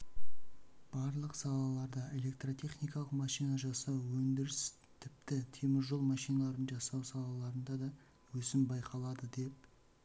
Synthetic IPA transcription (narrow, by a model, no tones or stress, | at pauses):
b̥ɑɾlˠəqsɑlˠɑlˠɑɾd̪əe̞le̞k̚t̪rot̪ʲʰe̞χnijkɑlˠəqmɑʃijnɑʒɑsɑwwɵnd̪ɪɾɪs | t̪ʰɪpt̪ɪt̪ʰe̞mɪɾʒo̞lˠmɑʃijnɑlˠɑɾənʒɑsɑwsɑlˠɑlˠɑɾənd̪ɑd̪ɑ | wɵsɪmbɑjqʰɑlˠɑd̪əd̪e̞p̚